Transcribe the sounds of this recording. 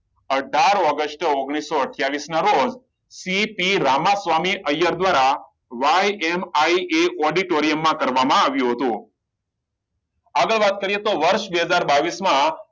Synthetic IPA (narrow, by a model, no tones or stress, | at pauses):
əɖʱaɾɔɡəsʈoɡɽ̃isːoəʈʰjaʋisnaɾod͡ʒ | sipiɾamasʋamiʔəjaɾd̪ʋaɾa | ʋajemaiʔeʔɔɖiʈoɾijəmːãkəɾʋamãaʋjũɦət̪ũ | aɡəɭʋat̪̚kəɾijet̪oʋəɾʃbɛɦəd͡ʒaɾbaʋismã